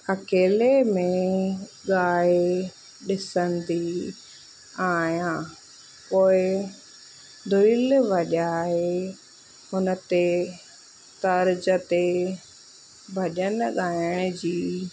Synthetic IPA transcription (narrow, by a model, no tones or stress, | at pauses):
ɐkeːlemẽɠaːe | ɗɪsənd̪i | aːjãː | poːɪ | d̪ʱʊilʋɐʄaːɦe | hʊnət̪e | t̪ɐɾd͡ʑət̪e | bʱɐʄənɠaːjəɽ̃d͡ʑiː